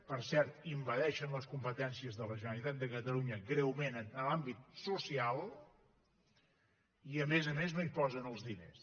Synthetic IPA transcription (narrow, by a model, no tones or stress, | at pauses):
pəɾsɛɾt̪imbəðɛʃənləskumpət̪ɛnsiəzðələʒənəlit̪at̪̚d̪əkət̪əluɲəɡɾɛwmenənəlambit̪̚susialˠ | iəmezəmeznoipɔzənəlˠzðinḛs